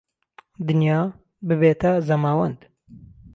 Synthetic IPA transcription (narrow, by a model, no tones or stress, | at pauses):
d̪ɨnjɑː | bɨβeːt̪ɐzɐmaːwɐnd̪